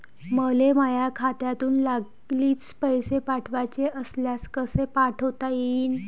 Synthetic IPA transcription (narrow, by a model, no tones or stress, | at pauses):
məlemajakʰat̪jat̪uːnlaɡ | liːt͡spəjsepaʈʰʋat͡ɕeʔəsljaskəsepaʈʰot̪aiːn